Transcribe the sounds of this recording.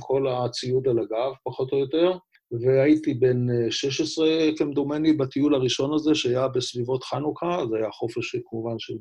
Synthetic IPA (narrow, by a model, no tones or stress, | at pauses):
kʰo̞lat͡siud̪alaɡavpaχo̞t̪o̞jot̪e̞ʁ | veajit̪ibe̞nʃeʃesʁekemd̪omenibat̪iulaʁiʃo̞nazeʃeajabesvivo̞tχanukʰazhajaχo̞feʃkamuvanʃel